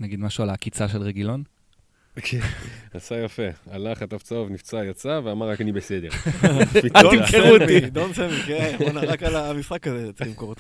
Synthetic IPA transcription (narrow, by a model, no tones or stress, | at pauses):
naɡid̪maʃualakit͡saʃelʁeɡilo̞n | kʰenasajafealaχat̪aft͡sovnift͡sajat͡saveamaʁːakanibesed̪eʁ | at̪imkiut̪id̪onsemikennonaʁakalamisχakazet͡simkoʁet